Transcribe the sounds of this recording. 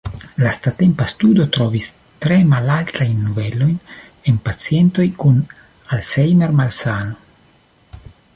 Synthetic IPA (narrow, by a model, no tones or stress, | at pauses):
last̪at̪e̞mpast̪udo̞t̪ɾo̞vis | t̪ɾe̞malalt̪ajnːuve̞lo̞jn | enpat͡sie̞nt̪o̞jkun | alsejmeɾmalsano